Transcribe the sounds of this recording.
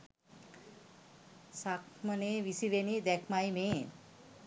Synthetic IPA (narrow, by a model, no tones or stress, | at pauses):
sakməneʋisiʋenid̪ɛkʰmajime